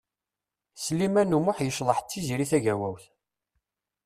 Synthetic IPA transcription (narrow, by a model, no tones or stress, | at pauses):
slimænumʊħjəʃlˤəħt͡sːiziɾiθæʝæwæwθ